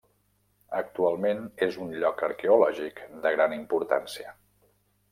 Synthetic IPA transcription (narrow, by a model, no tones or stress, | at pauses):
ək̚t̪ualˠmenezunʎɔkəɾkɛulɔʒikd̪əɣɾanimpuɾt̪a̰nsiə